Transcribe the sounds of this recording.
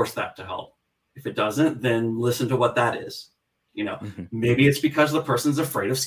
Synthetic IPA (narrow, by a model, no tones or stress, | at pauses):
ɹsðɨ̰tʰɨɦɛ̰lˠp̚ | ɨfɨt̚d̥ʌzɨ̃nðɨ̃nlɪsɨ̃n̩təwʌt̪̚ðɨɾɪ̰z̥ | jɨnoʊmeɪbiɨtsb̥ɨkʰʌzðəpʰɜ˞sɨ̃n̩zɨfɹeɪɾʌv̥s